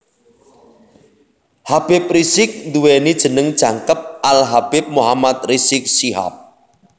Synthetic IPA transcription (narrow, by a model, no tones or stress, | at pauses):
hab̥ɪp̚risɪk̚nd̪uwɛnid̥ʒ̥ə̤nəŋd̥ʒ̥a̤ŋkəp̚alɦab̥ɪp̚moɦamat̪̚risɪk̚siɦa̰p̚